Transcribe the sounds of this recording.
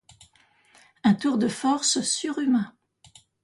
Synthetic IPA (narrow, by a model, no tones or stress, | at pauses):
ɛ̃t̪uʁd̪əfɔʁssyʁymɛ̃